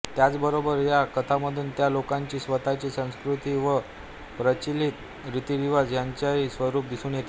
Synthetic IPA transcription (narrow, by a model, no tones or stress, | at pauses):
t̪jat͡sbəɾobəɾjakət̪ʰaməd̪ʱuːnt̪jalokaɲt͡ɕiːsʋət̪at͡ɕiːsə̃w̃skɾut̪iːʋə | pɾət͡ɕilit̪ | ɾit̪iʋiʋad͡zjaɲt͡ɕaisʋəɾuːp̚d̪isuːnjet̪i